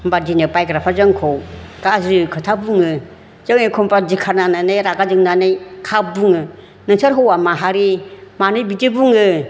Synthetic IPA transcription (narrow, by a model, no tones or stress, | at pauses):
badinɯpajkɾapʰazɯŋkʰɔw | kazɾɯkʰɯtʰabuŋɯ | zɯŋekʰɔmpad͡ʒikʰaɾnananejɾaɡad͡ʒɯŋnanɯjkʰabuŋɯ | nɯŋsaɾɦɔwamaɦaɾimanɯjbitɯbuŋɯ